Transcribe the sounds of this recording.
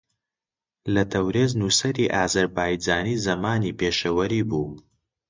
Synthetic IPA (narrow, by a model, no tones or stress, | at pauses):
lɐt̪ʰɐwɾeːznusɐɾiʔaːzɐɾbaːjd͡ʒaːniːzɐmaːnipeːʃɐwɐɾiːbuː